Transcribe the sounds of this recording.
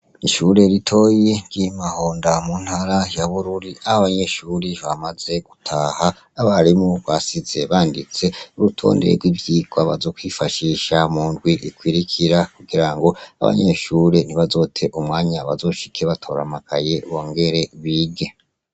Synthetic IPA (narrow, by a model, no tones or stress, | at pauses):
iʃuɾe̞ɾitʰo̞ːjiɟimaho̞ːndamun̥haɾajaβuɾuɾiahaβaɲe̞ʃuːɾiβamaze̞ɡ̥utʰahaː | βaɾimuβasize̞βaːndit͡se̞uɾutʰo̰ːnde̞ɾḛɡwiːvjiːɡwaβa̰zo̞ːkwifaʃiːʃamuːndɡwiʔikwiɾikʰiɾakuɡiɾaŋɡo̞a̰βa̰ɲe̞ʃuɾe̞niβazo̞ːtʰe̞ʔumŋaːɲaβazo̞ːʃi̥kʰeβatʰo̞ːɾa̰makʰaje̞woːŋɡe̞ɾe̞βiɡe̞